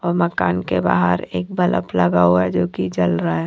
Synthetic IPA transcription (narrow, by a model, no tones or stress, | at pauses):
ɔːɾməkaːnkeba̰ːɦəɾeːk̚bɐlʔə̰pləɡaːɦɛd͡ʒoːkid͡ʒəlɾaɛ